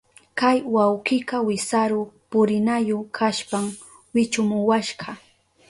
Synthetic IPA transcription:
kajwawqɪkɑwɪsaɾʊpʊɾɪnajʊkʰaʃpam | wɪt͡ʃʊmʊwaʃɢɑ

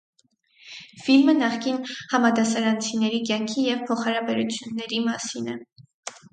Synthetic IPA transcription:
filmənɑχkinhɑmɑd̪ɑsɑɾɑnt͡sʰinɛɾikjɑŋkʰijɛvpʰɔχɑɾɑbɛɾut͡sʰjunːɛɾimɑsinɛ

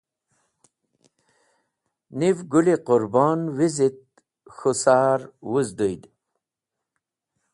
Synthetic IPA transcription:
nivɡuliqʊɾbɔnwizit̪̚ | xusaːɾwuzd̪ujd̪

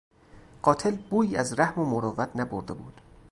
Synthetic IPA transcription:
ɢ̥ɒːt̪ʰe̞lbuːiːæzɾæhmomoɾɒːvæt̪ʰnæboɾd̪e̞buːd̪̥

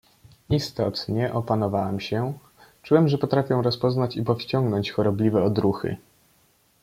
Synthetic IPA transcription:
ist̪ɔt̪ɲɛʔɔpanɔvawamɕɛ | t͡ʂuwɛmʐɛpɔt̪ɾafʲjɛ̃ɾɔspɔznat͡ɕipɔfɕt͡ɕɔŋɡnɔɲt͡ɕxɔɾɔblʲivɛɔd̪ɾuxɘ̰

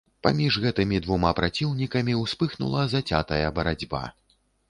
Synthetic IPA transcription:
pa̰mʲiʐɣɛt̪ɨmʲid̪vumapɾʔat͡sʲiwnʲikɐmʲiwspɨxnṵlˠɐzat͡sʲa̰t̪ɐjɐbɐɾad͡zʲba̰

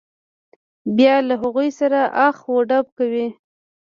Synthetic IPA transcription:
bjɑlaɦaɣujsaɾaʔaxwoɖab̚kawi

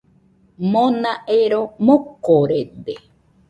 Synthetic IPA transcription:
mõnãʔeɾomokoɾed̪e

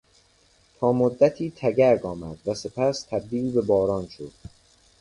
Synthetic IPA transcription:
t̪ʰɒːmod̪ːæt̪ʰiːt̪ʰæɟæɾɡɒːmæd̪̥væse̞pʰæst̪ʰæb̚d̪iːlbe̞bɒːɾɒːnʃod̪̥

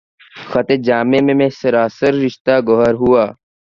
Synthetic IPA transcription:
xət̪eːd͡ʒaːmẽːmẽːmẽːsəɾaːsəɾːɪʃt̪aːɡɔɦəɾɦʊaː

